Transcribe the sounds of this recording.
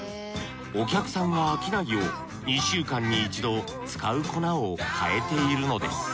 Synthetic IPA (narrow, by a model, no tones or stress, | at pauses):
o̞kʲakɯ̟̥sãɰ̃ɡaːkʲiɾaɡʲio̞ | iɕːɨːkãɲ̟ːiːt͡ɕid̪o̞ | t͡sɨ̥kaɯ̟ko̞naokʰae̞t̪e̞iɾɯ̟no̞d̪e̞̰sɨ̥